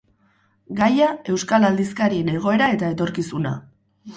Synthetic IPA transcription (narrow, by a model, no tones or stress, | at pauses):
ɡajae̞wskalald̪iskaɾine̞ɣ̞o̞e̞ɾae̞t̪ae̞t̪o̞ɾkisuna̰